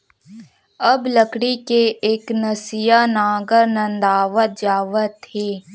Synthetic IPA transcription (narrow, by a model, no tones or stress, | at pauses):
əbləkɽikeʔeːknəsijanaːɡəɾnə̃nd̪aːʋəd͡ʒaːʋət̪ːeː